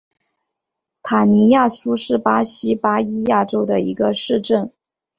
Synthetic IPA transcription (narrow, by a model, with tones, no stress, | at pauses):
t̪ʰa˨˩ni˧˥ja˥˩su˥ʂɻ̩˥˩pa˥ɕi˥pa˥i˥ja˥˩ʈ͡ʂo˥ʊd̪ə˨ḭ˧˥ɡə˧ʂɻ̩˥˧ʈ͡ʂə˥˩n